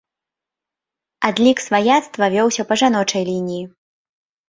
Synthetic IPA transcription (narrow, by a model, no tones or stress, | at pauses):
ad̪lʲiksvajat̪st̪vɐvʲɔwsʲɐpɐʐan̪ɔt͡ʂɐjlʲinʲiji